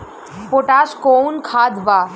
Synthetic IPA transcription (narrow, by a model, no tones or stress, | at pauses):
poʈaːʃkonkʰaːd̪ʋaː